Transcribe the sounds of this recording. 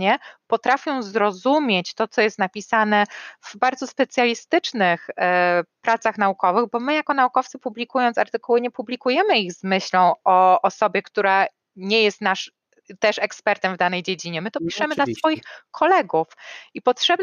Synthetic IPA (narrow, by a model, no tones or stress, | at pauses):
ɲɛpɔt̪ɾafʲjɔ̃w̃zɾɔzumʲjet͡ɕt̪ɔt̪sɔjɛst̪napʲisanɛv̥baɾd̪zɔspɛt̪sʲjalʲist̪ɘt͡ʂnɘx | pɾat̪saxnaukɔvɘɣbɔmɘjakɔnaukɔft̪sɘpublʲikujɔnt̪saɾt̪ɘkuwɘɲɛpublʲikujɛmɘiɣzmɘɕlɔ̃w̃ɔʔːsɔbʲjɛkt̪uɾa | ɲɛjɛst̪naʂ | t̪ɛʂɛkspɛɾt̪ɛmvd̪anɛjd͡ʑed͡ʑiɲɛmɘt̪ɔpʲiʂɛmɘd̪lasfɔjixkʰɔlɛɡufipɔtʂɛb